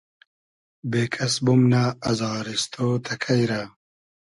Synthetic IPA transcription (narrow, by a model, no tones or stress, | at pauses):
beːkʰɐsbumnaːzɑːɾist̪ʰoːt̪ʰakʰajɾa